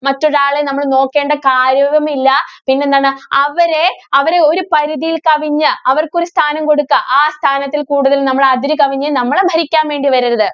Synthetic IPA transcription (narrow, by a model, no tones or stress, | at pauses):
mɐtːo̞ɾaːɭenɐmːɐɭno̞ːkːe̞ːɳɖɐkaːɾjɐʋɐmilːɐpinːend̪aːɳɨɐʋɐɾe̞ɐʋɐɾe̞o̞ɾupɐɾuðijilkɐʋiɲːɨɐʋɐrko̞ɾust̪ʰaːnɐmko̞ɽukːɐʔaːst̪ʰaːnɐt̪ːilkuːɽuðɐlnɐmːɐɭeɐd̪iɾɨkɐʋiɲːɨnɐmːɐɭebʱɐɾikʲːaːnʋe̞ːɳɖiʋɐɾiɾɐðɨ